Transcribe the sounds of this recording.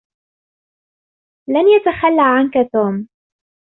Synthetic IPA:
lanjat̪axalːaʕankat̪oːm

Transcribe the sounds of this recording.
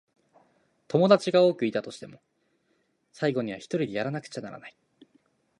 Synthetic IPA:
t̪o̞mo̞d̪at͡ɕiɡao̞ːkɯ̟it̪at̪o̞ɕi̥t̪e̞mo̞ | saiɡo̞ɲ̟iβ̞a̰çi̥t̪o̞ɾʲid̪e̞jaɾanakɯ̟̥t͡ɕana̰ɾa̰nai

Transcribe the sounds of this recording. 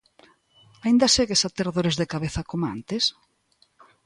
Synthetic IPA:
aind̪aseɣesat̪eɾðoɾezðekaβeθɐkomoa̰nt̪es

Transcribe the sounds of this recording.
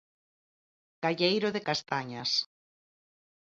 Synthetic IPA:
kaʎejɾʊðekast̪aɲas

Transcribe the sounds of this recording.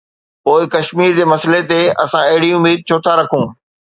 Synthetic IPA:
poːɪkɐʃmiːɾd͡ʑeːmɐslet̪eɐ̰sãɐɦɪɽiʊmiːd̪̚t͡ɕʰoːt̪ʰaɾɐkʰũː

